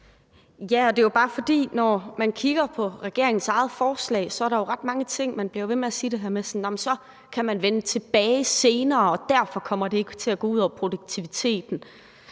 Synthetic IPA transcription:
jæɒ̽d̥e̝job̥ɑ̈ːfɒ̽d̥ḭːnɒmænkʰiɡ̥ɐpʰɒ̽ʁɛɡ̥e̝ɐeŋn̩sɑ̈ɪð̩ˠfɒːslɛ̰ːɪsɒæɐɾɑ̈jo̝ʁɑ̈d̥̚mɑ̈ŋət͡sʰe̝ŋ̰mænb̥liɐʋe̝meæsiːd̥e̝ɦæɐmesɒnːɒmnsɒ̽ | kʰæmænʋenət͡sʰe̝b̥ɛːɪse̝ːnɐːɒ̽d̥æɐ̰fɒ̽kʰɒ̽m̰ɐd̥e̝eɡ̥t͡sʰe̝læɡ̥ɔ̰ːuð̰ˠɒʊɐpʰʁo̝d̥uɡ̥̚t͡sʰiʋit͡sʰe̝̰ːd̥n̩

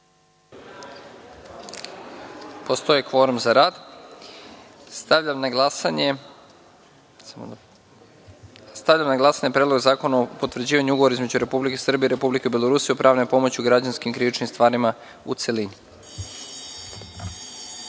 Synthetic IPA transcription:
po̞st̪o̞jikʋo̞ɾumzaɾaːd̪ | st̪aʋʎamnaɡlasaɲe | samo̰d̪ | st̪aʋʎamnaɡlˠasaɲepɾed̪lo̞ɡzaːko̞naopo̞t̪ʋr̩d͡ʑiːʋaɲuuɡoʋo̞ɾaizme̞d͡ʑuɾe̞publike̞sr̩bieiɾe̞publikeibjelˠo̞ɾuːsijeupɾʔaːʋno̞po̞mo̞t͡ɕiuɡɾad͡ʑanskimkɾiʋit͡ʃnimst̪ʋaːɾima | ṵt̪se̞lini

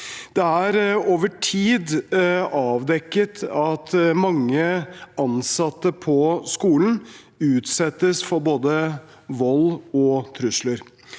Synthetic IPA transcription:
d̪̥ɛæɾoːʋəʈʰiːd̪ | ɑːʋd̪ɛkːət̪ɑt̪mɑŋːəʔɑnsɑt̪ːəpʰɔskuːln̩ | ʉːt̪sɛt̪ːəsfɔɾboːd̪ə | ʋɔlːɔt̪ʰɾʉsləɾ

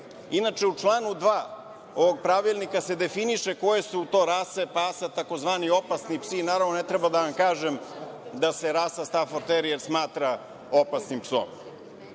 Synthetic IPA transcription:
inat͡ʃeut͡ʂlˠaːnud̪ʋaː | oʋo̞ɡ̚pɾaʋilˠnikase̞d̪e̞finiʃeko̞jesuːt̪o̞ɾaːsepasat̪ako̞zʋaːnio̞pasnipsinaːɾaʋnonet̪ɾebad̪aʋamkaːʒemd̪aseɾaːsast̪afoɾt̪eɾijeɾsmaːt̪ɾa | opasnimpso̰m

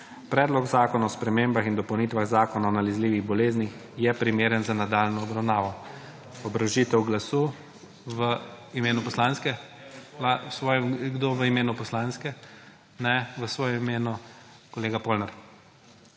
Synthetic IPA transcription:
pɾɛːd̪lɔkzaːkɔnaɔspɾɛmeːmbaxind̪ɔpɐwnit̪ʋaɣzaːkɔnaɔnalɛzliːʋiɣbɔleːznix | jɛpɾimeːɾənzanad̪aːlnɔːbɾawnaːʋɔ | ɔbɾawʒiːt̪ɛwɡlasu | ʋə | imeːnupɔslaːnskɛ | lasʋɔːjɛmɡd̪oʋəimeːnupɔslaːnskɛ | nɛʋəsʋɔːjɛmimeːnu | kɔleːɡapolnɛɾ

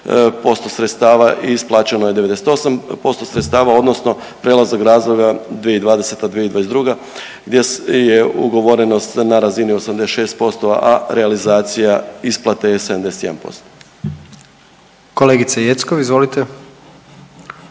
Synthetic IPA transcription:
po̞st̪o̞sɾet̪st̪aːʋaʔisplˠaːt͡ɕeno̞jed̪eed̪eset̪o̞sampo̞st̪o̞sɾet̪st̪aːʋao̞d̪no̞sno̞ | pɾelˠaznaɡɾaːzlˠoɡad̪ʋijeid̪ʋaːd̪e̞se̞t̪ad̪ʋijed̪ʋajesd̪ɾuɡa | ɡd̪je̞jeṵɡo̞ʋo̞ɾeno̞st̪naɾazinio̞samd̪eseʃe̞ːst̪po̞st̪oʋa̰ʔaɾealizaːt̪sijaisplˠat̪esed̪amd̪eset̪jed̪ampo̞̰st̪o | koleɡit̪sejet̪skoʋizʋolit̪e

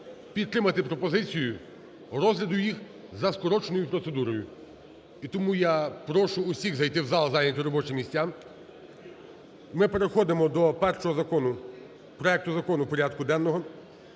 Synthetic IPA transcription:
pʲid̪̚ːɾɪmɐt̪ɪpɾɔpɔzɪt͡sʲijʊ | ɾɔzɦlʲɐd̪ʊjix | zɐskɔɾɔt͡ʃenɔjʊpɾɔt̪sed̪uɾɔjʊ | it̪ɔmujapɾɔʃʊːsʲiɣzɐjt̪ɪwzɑlˠɐzɑjnʲɐt̪ʲɔɾɔbɔt͡ʃɪmʲːisʲtʲːam | mɪpe̞ɾexɔd̪ɪmɔd̪ɔpɛrʃɔɦɔzɐkɔnʊ | pɾɔɛk̚t̪ʊzɐkɔnʊpɔɾʲad̪̚kʊd̪ɛnːɔɦɔ

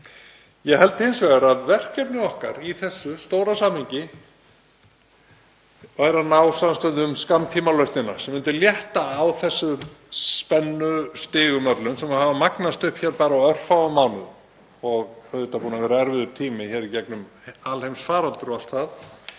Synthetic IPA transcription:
jɛhɛlt̪ɪhɪnsvɛɣaɾaðvɛr̥cɛpnɪɔhka̰ɾiθɛsːʏst̪oːwɾasaːmhiɲcɪ | vajɾanaːwsamst̪œðʏmskamt̪ʰiːmalœɥst̪nɪnḁsɛmːɪnt̪ʏljɛht̪aːwθɛsːʏspɛnːʏst̪ɪːɣʏmœt̪lʏnsɛmahavamaknast̪ʏhpçɛːɾpaːɾaœr̥fawamːaːwnʏ | ɔɣœðt̪apuːnavɛːɾaɛɾvɪðʏɾt̪ʰiːmɪçɛːɾicɛknʏm | alhejmsfaːɾalt̪ʏɾalt̪θaθ

